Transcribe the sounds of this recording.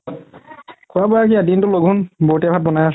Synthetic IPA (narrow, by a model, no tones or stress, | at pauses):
kʰʊabɔakiadintʊloɡʱunboɹtabʰʱat̚bɔnajas